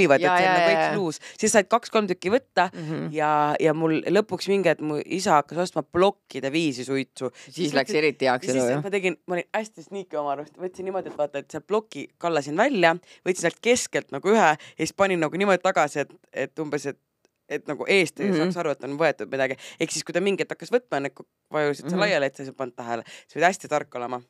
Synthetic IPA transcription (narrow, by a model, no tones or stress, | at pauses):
ivɑt̪ːenɑɡuisluːssisːɑjd̪̚kɑksko̞lmt̪ykːˑivɤt̪ːɑjɑjɑmulːɤ̞pːˑuksmiŋɡ̥et̪muʔisɑɑkːɑso̞st̪mɑplo̞kːid̪̥eviːsisujt̪susislækeɾit̪ːˑiɑkseemɑt̪e̞ɡinmɑolinæsʲt̪isnʲiːkːˑeomɑɾust̪vɤt̪ʲsinːimo̞d̪ʲie̞t̪ːvɑːt̪ːˑɑet̪seb̥lo̞kːˑikɑlːɑsinvælʲːjɑvɤt̪ʲsinelt̪̚ke̞ske̞lt̪nɑɡ̥uyɦɛeispɑnʲinːɑɡunimo̞d̪it̪ɑɡ̥ɑsie̞t̪e̞t̪ːumbe̞se̞t̪ | e̞t̪nɑɡ̥uʔe̞ːst̪ejɑsɑːksɑɾue̞t̪ːonvɤe̞t̪ːˑud̪̥̚mid̪ɑɡ̥ie̞ksiskujd̪ɑmiŋɡ̥et̪ːˑɑkːɑsvɤt̪̚ːˑmɑenːeko | vɑjusit̪selɑjɑleet̪sɑjs̬ɑpɑnt̪̚t̪ːæɦeleisɤd̪æsʲt̪it̪ɑrkːo̞lemɑ